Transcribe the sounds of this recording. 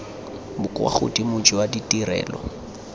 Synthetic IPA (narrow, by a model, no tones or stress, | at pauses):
bʊkʼwa̰χʊ̰tʼimʊd͡ʒɔwaditʼirɛ̰ːlɔ̰